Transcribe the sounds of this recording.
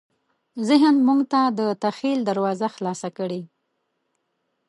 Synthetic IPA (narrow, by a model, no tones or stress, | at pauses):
zɪɦənmuŋɡt̪ad̪ət̪axild̪aɾwɑzaxlɑsakəɽe